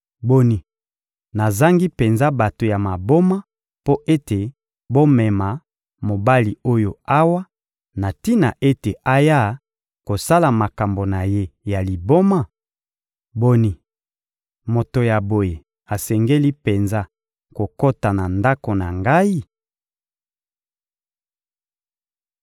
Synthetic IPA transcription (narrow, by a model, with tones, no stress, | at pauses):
bo˦ni˨ | na˨za˦ŋɡi˦pe˨nza˦ba˨to˨ja˨ma˨bo˦ma˦ | po˦ʔe˦te˨ | bo˦mɛ˨ma˨ | mo˨ba˦li˨o˦jo˨a˦wa˦ | na˨ti˦na˨ʔe˦te˨ʔa˦ja˦ | ko˨sa˦la˨ma˨ka˨mbo˨na˨je˦ja˨li˨bo˦ma˦˨ | bo˦ni˨ | mo˨to˨ja˨bo˨je˨ | a˨sɛ˨ŋɡe˦li˦pe˨nza˦ | ko˨ko˦ta˨na˨nda˦ko˨na˨ŋɡa˦i˦